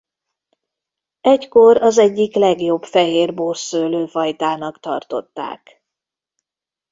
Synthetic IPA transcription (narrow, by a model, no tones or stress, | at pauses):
ɛcko̞ɾɒzɛɟːiklɛɡjo̞bfɛɦeːrborsøːløːfɒjt̪aːnɒkt̪ɒ̰rt̪o̞̰t̪ːa̰ːk